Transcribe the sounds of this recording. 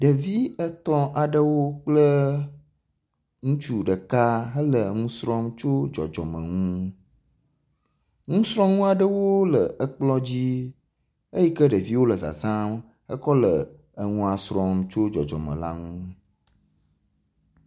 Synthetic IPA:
ɖə˨vi˦ə˦t̪ɔ˦ʔa˨ɖə˦wo˦k͡plə˦ | ŋũ˦t͡ʃu˨ɖə˨ka˦ɦə˦lə˨ŋũ˦sɾɔ˦mt͡ʃo˦d͡ʒɔ̰˨d͡ʒɔ̰˨mə̰̃˨ŋũ˦ | ŋũ˦sɾɔ̃˦ŋũ˦a˨ɖə˦wo˦lə˨ə˦k͡plɔ˦d͡ʑi˦ | ə˦ji˦kə˦ɖə˨vi˦wo˦lə˨za̰˨zã˦m | ə˦kɔ˦lə˨ | ə˨ŋũ˦a˨sɾɔ˦mt͡ʃo˦d͡ʒɔ̰˨d͡ʒɔ̰˨mə̰̃˨la̰˦ŋũ˦

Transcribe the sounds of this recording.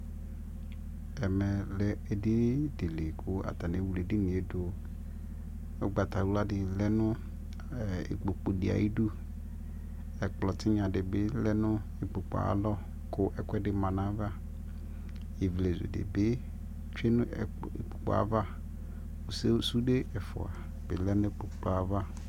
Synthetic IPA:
ɛ˨mɛ˨lɛ˦e˨dɪ˦de˨le˨kʰʊ˦a̰˨t̪a˨ne˨˦wu˨˦le˨dɪ˦nĩ˨e˦dʊ˨ | o̰˦ɡ͡ba˨t̪a˨wu˦la˦dɪ˨lɛ˦nʊ̃˦˨ | ḛ˨k͡po˨k͡po˨dɪ˨a̰˨ji˦du˦ | ɛ˨k͡plɔ˨t̪ɪ˦ɲã˨dɪ˨bɪ˦lɛ˦nʊ̃˦ | ɪ˨k͡pʊ˨k͡pɔ̰˨a̰˨lɔ˦ | kʰʊ˦ʔɛ˨kʰʷɛ˦dɪ˦mã˨nã˦va˦ | je˨vle˨zḛ˨dɪ̰˨bɪ˦ | t͡ʃᶣe˦nʊ̃˦˨ | ḛ˨k͡po˨k͡pɔ̰˨a̰˨va˦ | o˨se˦su˦de˦ɛ˨fʊ̰˨a̰˨ | bɪ˨lɛ˦nʊ̃˦k͡po˨k͡plɔ˦a˨va˦

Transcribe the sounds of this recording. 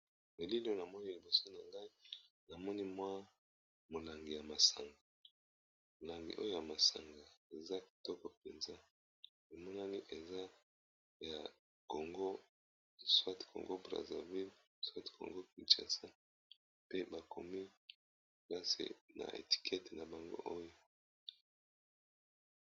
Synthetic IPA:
me˨li˦lo˦na˨mɔ˦ni˦li˨bo˨so˦na˨ŋɡa˦i˦ | na˨mɔ˦ni˦mwa˦ | mo˨la˨ŋɡi˨ja˨ma˨sa˨ŋɡa˨ | mo˨la˨ŋɡḭ˨ʔo˦jo˦ja˨ma˨sa̰˨ŋɡa˨e˨za˦ki̥˨tɔ˦kɔ˨pe˨nza˦ | i˨mɔ˦na˦ni˦ʔe˨za˦ | ja˨ | ko˨ŋɡo˦ | swa˦ti̥˨kʰo̰˨ŋɡo˦bʁa̰˨za̰˨vi˦l | swa˦ti̥˨kʰo̰˨ŋɡo˦ki˨t͡ʃa̰˨sa˦ | pe˦ba˨kʰo˨mi˦ | ka˦sḭ˨na̰˨ʔḛ˨ti̥˨kʰɛ˦te˨na˨ba˨ŋɡo̰˦ʔo˦jo˦

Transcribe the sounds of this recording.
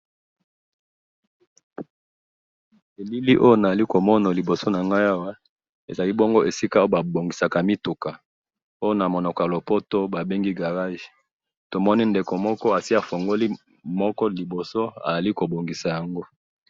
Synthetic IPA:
e˨li˦li˦ʔo˦jo˦na˨a˨li˦ko˨mɔ˦na˨li˨bo˨so˦na˨ŋɡa˦ja˦wa˦ | e˨za˨li˦bo˦ŋɡo˦ʔe˨si˦ka˦o˦o˦ba˨bo˨ŋɡi˨sa˨ka˨mi˦tu˨ka˨ | o˦jo˦na˨mo˨nɔ˨kɔ˨ja˨lo˨po˦to˦ba˨be˦ŋɡi˦ɡa˨ʁa˦ʒe̥˨ | to˨mɔ˦ni˦nde˨ko˨mɔ˦kɔ˦a˨si˦a˨fo˨ŋɡo˦li˦ | mɔ˦kɔ˦li˨bo˨so˦a̰˨za˨li˦ko˨bo˨ŋɡi˨sa˨ja˨ŋɡo˦

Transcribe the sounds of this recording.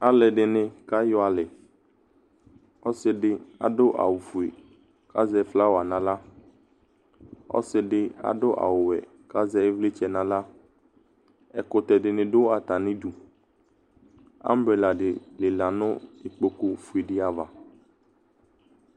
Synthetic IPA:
a˦lɛ˨ɖɪ˨nɪ̃˨ka˦jɔ˦a˨lɪ˨ | ɔ˦sɪ˦dɪ˦a̰˨dʊ˦ʔa̰˨wʊ˨fu˨e˨ | ka˦zɛ˨˦fla˦wa˨nã˨la˦ | ɔ̰˦sɪ˦ɖɪ˦a̰˨dʊ˦ʔa̰˨wʊ˨wɛ̰˨ | ka˦zɛ˦ɪ˦vlɪ˦t͡ʃɛ˨nã˨la˦ | ɛ˨kʊ˨t̪ɛ˨dɪ˨nɪ̃˨dʊ˦wa˨t̪a˨nɪ̃˦du˨ | a̰˦m̩˦bɾɛ˨la˨ɖɪ˨lɪ˨la˨nʊ̃˦ɪ˨k͡po˨kʊ˦fu˨e˨dɪ˦a˨va˨

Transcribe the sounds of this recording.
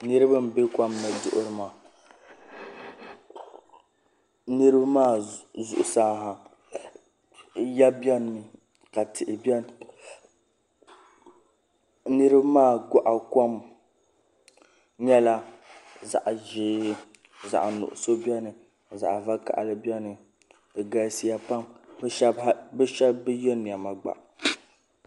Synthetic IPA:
nɨ˦ɾɨ˦bɨ˦m˨be˦kʷa˦mna˨dʊ˨ʔʊ˦ɾɨ˨ma˨ | nɨ˦ɾɨ˦bmaː˦˨zʊ̰˨ʔʊ˨saː˦ɦa˨ | ja˦bjɛ˦n˨mɨ˨ | ka˨tʰɪ˨ʔɪ˨bɛ˦n˨ | nɨ˦ɾɨ˦bmaː˦˨ɡɔ˦ʔa˨ko˦m | ɲɛ˦la˦za̰˨ʔʒɪː˦ | za̰˨ʔnʊ̰˨ʔʊ̰˨so˦bi˦ɛ˦nɨ˨ | za̰˨ʔva˦ka̰˨ʔlɨ˦bɛ˦nɨ˨ | ɡa˦si˦ja˦pa˦mbʃɛ˦bha˦bɛ˦ʃɛ˦bbɨ˦jɛ˦ni˨a˨ma˨ɡ͡ba̰˨ʔ

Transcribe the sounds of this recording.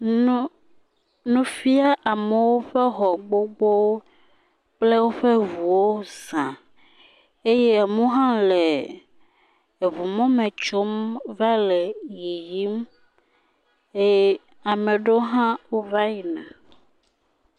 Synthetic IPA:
nũ˦fi˦a˦ʔa˨me˨wo˦ɸɛ˦xɔ˨ɡ͡bo˦ɡ͡bo˦w | k͡ple˦wo˦ɸe˦vu˨wo˦zã˨ | e˦je˦a˨mũ˦ɦã˦le˨ | vu˨mɔ̃˦mẽ˨t͡ʃo˦mva˦lɛ˨ji˨ji˦m | e˦ | a˨mẽ˨ɖo˦ɦã˦wo˦va˦ji˨nã˨

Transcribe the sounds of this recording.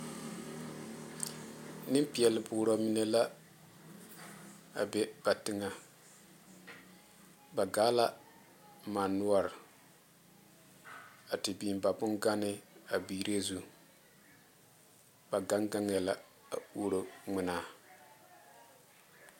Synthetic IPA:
nɨ˦m˦pi˨ɛ˨lɪ˨bʊː˨ɾo˨mi˦ne˦la˦ | a̰˨bɛ˦b̥a˨tɪ˦ŋa˦ | ba˨ɡaː˦la˦ | maː˨nu˦a˦ɾɪ˨ | a˨tɪ˨biː˨m˨ba˨bʊ˦nɡa˦nɪ˦a˨biː˨ɾe˦zu˦ | ba˨ɡa˦ŋɡa˦ŋ˦ɛ˨la˦ | a̰˨uː˦ɾo˦ŋɪ˦naː˦

